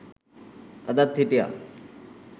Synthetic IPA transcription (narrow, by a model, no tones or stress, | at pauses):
ɐd̪at̪ʰːiʈija̰